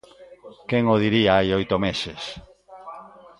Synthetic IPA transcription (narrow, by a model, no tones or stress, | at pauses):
keŋoð̞iɾiaajojt̪omeses